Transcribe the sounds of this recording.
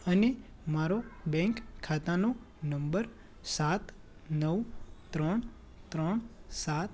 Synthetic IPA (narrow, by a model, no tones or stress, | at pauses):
əne | maɾobɛ̃ŋkʰːat̪ano | nəmbəɾ | sat̪ | nəʋt̪ɾəɳ | t̪ɾəɳsat̪